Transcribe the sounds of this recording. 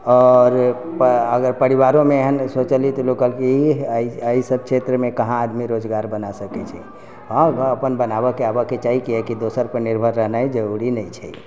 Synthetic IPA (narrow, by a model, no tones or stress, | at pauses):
ɔːɾpəɡəɾpəɾiβaɾõmeeɦənsot͡ʃəlit̪ɔlokəlkiiəisəb̚kt͡ʃʰet̪ɾəmekəɦãːd̪miɾod͡ʒɡaɾbənasəkɛt͡ʃʰḭ | ɦə̃əpənbənabəkeabəket͡ʃaɦikiɛkid̪osəɾpəɾniɾbʱəɾːəɦnajd͡ʒəɾuɾinəit͡ʃʰɛ̰